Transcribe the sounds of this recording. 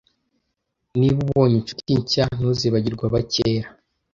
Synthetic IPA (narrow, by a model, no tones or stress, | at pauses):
niβuβoɲit͡ʃutiɲcan̥uziβaɟiɾɡwaβaceɾa